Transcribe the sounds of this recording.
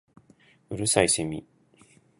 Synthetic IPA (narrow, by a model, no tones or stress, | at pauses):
ɯɾɯ̟saiɕemʲḭ